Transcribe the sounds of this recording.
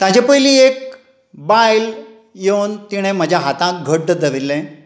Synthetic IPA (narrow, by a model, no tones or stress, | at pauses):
t̪ad͡ʑapəjliːek̚ | bajl | jewnt̪iɽ̃ẽm̤əd͡ʑʱjaɦat̪ãɡʱəɽ̚ɖəd̪əʋilːɛ̃